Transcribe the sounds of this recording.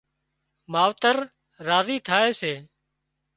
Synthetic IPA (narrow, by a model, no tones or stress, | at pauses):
maːʋt̪əɾː | aːziːt̪ʰaːeːseː